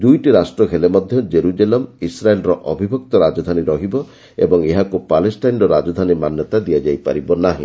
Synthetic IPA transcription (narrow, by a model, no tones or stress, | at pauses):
d̪ujʈiɾasʈɾɔkʰelemɔd̪ʱjɔd͡ʒeɾud͡ʒelemisɾaelɾɔʔɔbʱibʱɔk̚t̪ɔɾad͡ʒɔd̪ʱaniɾɔɦibɔ | ḛbɔŋeɦakupalesʈajnɾɔɾad͡ʒɔd̪ʱanimanjɔt̪ad̪iad͡ʒajpa̰ɾibɔnaɦḭ̃